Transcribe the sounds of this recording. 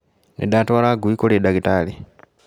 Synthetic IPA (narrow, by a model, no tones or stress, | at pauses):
nḛdaːtoalaɡuikoledaɡitali